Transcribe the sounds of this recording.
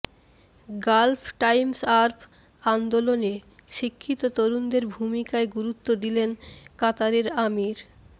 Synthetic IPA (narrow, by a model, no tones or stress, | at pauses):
ɡalpʰʈajmsaɾpʰ | and̪olone | ʃikʰːit̪ot̪oɾund̪eɾbʱumikaeɡuɾut̪ːod̪ilenkat̪aɾeɾamiɾ